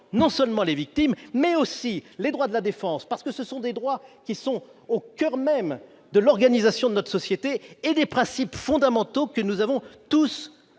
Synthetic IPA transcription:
nɔ̃sœlmɑ̃levik̚t̪imːɛosiled̪ʁwad̪əlad̪efɑ̃spaʁsə̥kəsəsɔ̃d̪ed̪ʁwakʲisɔ̃okʲœʁmɛm | d̪əlɔʁɡanizasjɔ̃d̪ənɔt̪χəsɔsjet̪eːd̪epχɛ̃sipfɔ̃d̪amɑ̃t̪okənuzavɔ̃t̪us

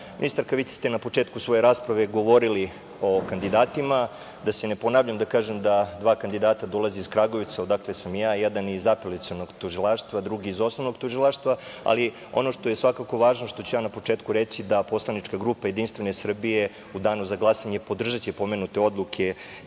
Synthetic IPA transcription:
mḭnist̪aɾkaʋisist̪enapo̞t͡ʂeːt̪kusʋo̞je̞ɾaːspɾaʋe̞ɡo̞ʋo̞ɾili | o̞kand̪id̪aːt̪ima | d̪asene̞po̞naːʋʎamd̪akaːʒemd̪ad̪ʋaːkand̪id̪aːt̪ad̪o̞lˠaziiskɾaɡo̞ʋit̪saod̪aklesamjaːjɛd̪anizapelit̪siono̞ɡt̪uʒilˠaːʃt̪ʋad̪ɾuɡiːzo̞sno̞ʋnoɡt̪uʒilˠaːʃt̪ʋaa̰li | o̞̰no̞ʃt̪o̞jesʋakako̞ʋaːʒnoʃt̪o̞t͡ɕujaːnapo̞t͡ʂeːt̪kuɾet͡ɕid̪apo̞slˠanit͡ʃkaɡɾuːpajed̪inst̪vʋe̞ne̞sr̩bije | ud̪aːnuzaɡlˠaːsaɲepo̞d̪r̩ʒat͡ɕipo̞menut̪e̞o̞d̪lˠukʰe

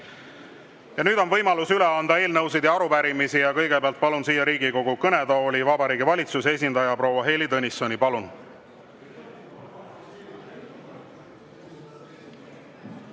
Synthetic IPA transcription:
jɑnyːd̪̥o̞nvɤ̞jmɑlusyleɑnd̪ɑe̞ːlnɤws̬id̪̥jɑɑɾupæɾimisijɑkɤjɡ̥ebeɑlt̪̚pɑlunsiːjɑɾiːɡiko̞ɡ̥ukɤne̞d̪ɑolʲivɑbɑɾiːɡivɑlʲit̪susee̞s̬ʲind̪ɑjɑpɾo̞wːɑɦe̞ːlid̪ɤnʲisːo̞nipɑlun

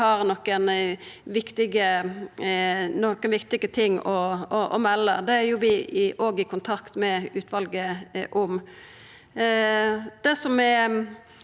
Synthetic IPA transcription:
ɑɾnɔkːənʋɪkt̪ɪɡə | nɔkːənʋɪkt̪ɪɡət̪ʰɪŋːɔɔʔɔmɛlːəd̪ɛæɾjʊʋɪɪʔoːɡɪkʰʊnt̪ʰɑkt̪mɛʉːt̪ʰʋɑlɡəʔʊm | d̪̥ɛsɔmɛ

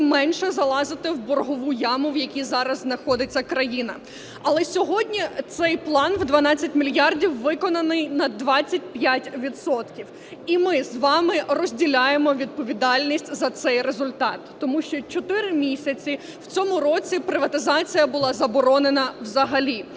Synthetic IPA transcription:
mɛnʃɛzɐlˠɑzɪt̪ɪwbɔrɦɔʋujɑmʊwjɐkʲizɑɾɐzznɐxɔd̪ɪt͡sʲːɐkɾɐjinɐ | ɐlˠɛsʲɔɦɔdʲnʲit̪sɛjplˠɑnwd̪ʋɐnɑt͡sʲːɐtʲmʲilʲjɑrdʲiwːɪkɔnɐnɪjnɐd̪ʋɑt͡sʲːɐt̚ʲpjatʲʋʲid̪sɔt̪kʲiw | imɪzʋɑmɪrɔzʲdʲilʲajemɔʋʲid̪̚pɔʋʲid̪ɑlʲnʲisʲtʲzɐt̪sɛjrezʊlʲt̪ɑt̪ːɔmuʃt͡ʃɔt͡ʃɔt̪ɪɾɪmʲisʲɐt͡sʲi | w̥t͡sʲɔmʊɾɔt͡sʲipɾɪʋɐt̪ɪzɑt͡sʲijɐbʊlˠɑzɐbɔɾɔnenɐwzɐɦɐlʲi

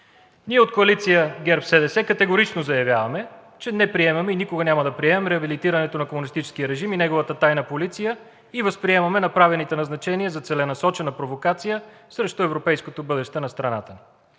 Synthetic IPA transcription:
niɛot̪koɐlit̪sijəɡʲɛɾpsɛd̪ɛsɛkɐt̪ɛɡoɾit͡ʃnozɐjɐvʲjavɐmɛ | t͡ʃɛnɛpɾiɛmɐmɛinikoɡɐnʲaməd̪ɐpɾiɛmɛmɾɛɐbilit̪iɾənɛt̪onɐkomunist̪it͡ʃɛ̥skijəɾɛʒiminɛɡovət̪ət̪ajnəpolit̪sijə | ivəspɾiɛmɐmɛnɐpɾavɛlˠnit̪ɛnɐznɐt͡ʃɛniəzɐt̪sɛlɛnɐsɔt͡ʃɛnɐpɾovokat̪sijə | sɾɛʃt̪oɛvɾopɛjskot̪obɤd̪ɛʃt̪ɛnɐst̪ɾɐna̰t̪əni

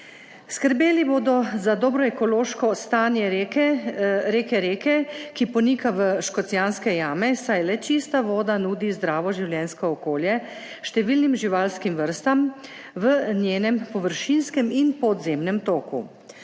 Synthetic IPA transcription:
skəɾbeːliboːd̪ɔzad̪ɔːbɾɔɛkɔloːʃkɔst̪aːnjɛɾeɛɾeːkɛɾeːkɛkipɔnikaʋəʃkɔt̪sjaːnskɛjaːmɛsajlɛt͡ʃist̪aʋoːd̪anuːd̪izd̪ɾaːʋɔʒiwljɛnskɔɔkoːljɛ | ʃt̪ɛʋiːlnimʒiʋalskimʋəɾst̪am | ʋənjeːnɛmpɔʋəɾʃinskɛminpɔd̪zeːmnɛmt̪oːkṵ

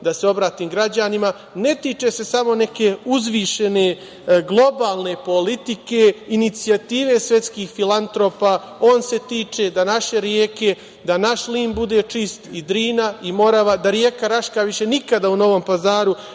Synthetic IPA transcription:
d̪aseo̞bɾaːt̪iːmɡɾad͡ʑanima | ne̞t̪it͡ʃe̞se̞samo̞ne̞ke̞uzʋiʃe̞ne̞ | ɡlˠo̞baːlˠne̞po̞lit̪ike̞init̪siat̪iːʋe̞sʋje̞t̪skiːxfilant̪ɾo̞ːpa | o̞ːnse̞t̪iːt͡ʃe̞d̪anaʃe̞ɾjeːke̞ | d̪anaʃliːmbud̪e̞t͡ʂist̪id̪ɾiːnaimo̞ɾaʋad̪aɾjeːkaɾaʃkaʋiʃe̞nikad̪auno̞ʋo̞mpazaːɾu

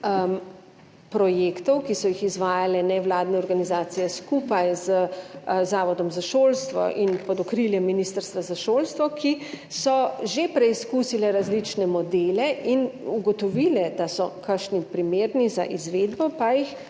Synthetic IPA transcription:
pɾɔjeːkt̪ɔwkisɔjixizʋaːjalɛnɛʋlaːd̪nɛɔɾɡanizaːt̪sijɛskupajzəzaːʋɔd̪ɔmzaʃoːlst̪ʋɔ̰ʔinpɔd̪ɔkɾiljɛmːinist̪əɾst̪ʋazaʃoːlst̪ʋɔkʰi | sɔʒepɾɛiskusilɛɾazlit͡ʃnɛmɔd̪eːlɛʔinuɡɔt̪ɔʋiːlɛd̪asɔkʰəɾʃnipɾimeːɾniza̰ʔizʋeːd̪bɔpajix

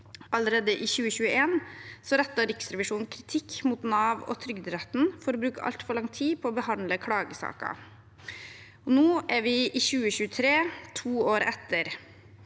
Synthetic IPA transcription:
ʔɑləɾeːd̪əʔɪçʉːəçʉːəʔeːnsɔɾɛt̪ːɑɾɪksɾɛʋɪʂuːn̩kʰɾɪt̪ʰɪkːmut̪nɑːʋɔ̰t̪ʰɾʏɡd̪ɾɛt̪n̩fɔɾɔbɾʉːkəʔɑ̰lt̪fɔɭɑŋt̪ʰiːpʰɔːbəhɑnləkʰɽɑːɡəsɑ̰ːkɑ̰ | ɔnoːʔæɾʋɪʔɪːçʉːəçʉːət̪ʰɾeːt̪ʰuːoːɾɛt̪ːəɾ

